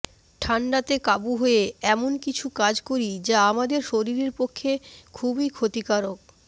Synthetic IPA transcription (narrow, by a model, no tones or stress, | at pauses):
ʈʰaɳɖat̪ekabuɦoeɛmonkit͡ɕʰukad͡ʑkoɾid͡ʑaamad̪eɾʃoɾiɾeɾpokʰːekʰubikʰot̪ikaɾok̚